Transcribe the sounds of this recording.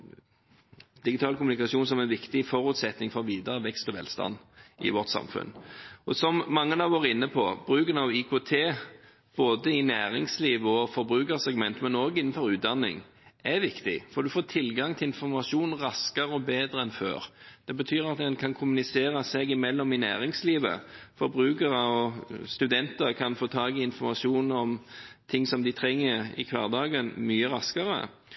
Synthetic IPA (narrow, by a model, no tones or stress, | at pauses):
d̪ɪɡɪt̪ʰɑːlkʊmnɪkɑsuːnsɔmɛnʋɪkt̪ɪfɔɾʉt̪sɛt̪nɪŋfɔʁʋiːd̪əɾəʋɛkst̪ɔʋɛ̰lst̪ɑ̰nʔɪ̰ʋɔʁt̪sɑ̰mfʉ̰nɔsɔmmɑŋːənɑʋoːɾɪnːəpʰɔ̰b̥ɾʉːkənɑʋikʰoːt̪ʰeː | b̥oːd̪əɪnæːʁɪŋsliːʋəɔfɔɾbɾʉːkəʁsɛɡmɛnt̪mɛnoːɡɪnːən̩fɔɾʉːt̪̚d̪ɑnːɪ̰ŋ | ʔɛʋɪkt̪ɪ̰fɔɾd̪ʉfoːt̪ʰɪlɡɑŋt̪ʰɪɪnfɔɾmɑʃuːnʁɑskɑɾəɔbeːd̪ɾəɛnfø̰ːɾd̪̥ɛbət̪ʰyːɾɑt̪̚d̪ɛnkʰɑnkʰʊmʉnɪseːɾɑsɛɡɪmɛlːɔmɪnæ̰ːɾɪŋsliːʋə̰fɔɾbɾʉːkəʁəɔst̪ʉd̪ɛnt̪əʁkʰɑnfoːt̪ʰɑːɡɪɪnfɔɾmɑʂuːnɔmt̪ʰɪŋːsɔmd̪ɪt̪ʰɾɛŋːəɾɪ̰kʰʋɑːʁd̪ɑːɡənmyːəɾɑskɑɾə̰